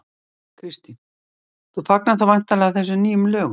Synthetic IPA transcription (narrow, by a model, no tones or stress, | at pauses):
kʰɾɪst̪in | θufaknaðθawajn̥t̪alɛɣaθɛs̬ʏmniːjʏmlœːɣʏ